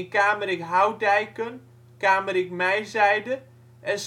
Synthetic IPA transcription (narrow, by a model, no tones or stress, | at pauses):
kaːməɾɪkɦawdɛjkən | kaːməɾɪkmɛjzɛjdə | ɛs